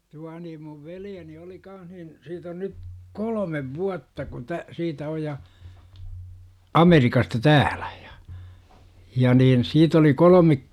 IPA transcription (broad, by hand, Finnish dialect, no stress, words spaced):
tuɑ niːm muʋ ʋeljeni oli kɑːnh nin siːt on nyt kolomeʋ ʋuɑtːɑ kun tæ siːtæ oj jɑ ɑmerikɑstɑ tæːl̥æ̥ j̊ɑ̥ jɑ niːn siːt oli kolome